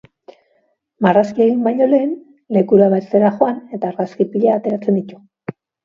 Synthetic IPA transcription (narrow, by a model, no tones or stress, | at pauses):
maraskie̞ɣ̞imbajɲo̞le̞ːn | le̞kuɾaβaseɾaxo̞ane̞t̪aːɾɣaskipiʎaːt̪e̞ɾat͡se̞nd̪it̪u̥